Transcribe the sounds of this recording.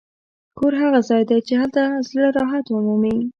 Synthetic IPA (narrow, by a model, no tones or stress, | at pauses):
kʰoɾɦaɣazɑjd̪at͡ʃehalt̪azləɾɑɦat̪ʊmumi